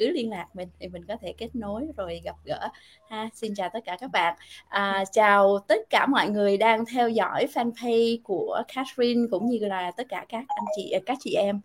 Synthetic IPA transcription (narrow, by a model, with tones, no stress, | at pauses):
kɨ˨˦li˧ənlaː˨˩k̚mï˨˩ŋ̟t̪ʰi˨˩mï˨˩ŋ̟kɔ˨˦t̪ʰe˧˩ke˦˥t̚no˨˦jzo˨˩jɣa˨˩p̚ɣə̰ː˧˥ | haː˧si˧nt͡ɕaː˨˩wt̪ə˦˥t̚kaː˧˩kaː˦˥k̚ɓa̰ː˧˨nʔəː˨˩t͡ɕaː˨˩wt̪ə˦˥t̚kaː˧˩mɔ̰˧˨jŋɨ˨˩əjɗaː˧ŋt̪ʰɛ˧wzɔ̰˧˥jfɛː˧nfʰi˧jku˧˩əxʰaː˨˦˥tɹi˧nkʊ̰˧˥ŋ͡mɲɨ˧laː˨˩t̪ə˦˥t̚kaː˧˩kaː˦˥k̚ʔa˧jŋt͡ɕḭ˧˨kaː˦˥k̚t͡ɕḭ˧˨ʔɛ˧m